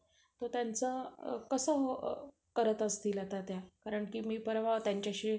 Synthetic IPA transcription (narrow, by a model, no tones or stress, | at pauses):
t̪ot̪jant͡səkəsə | kəɾət̪əst̪iːlat̪at̪jakaɾəɳkiːmiːpəɾʋ̤aʋt̪jaɲt͡ɕjaɕi